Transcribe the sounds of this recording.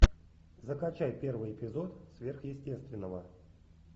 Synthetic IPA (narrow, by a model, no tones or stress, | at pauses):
zəkɐt͡ɕajpʲervɨjɪpʲɪzo̞t̪svʲerxjɪsʲtʲe̞st̪vʲɪnːəvə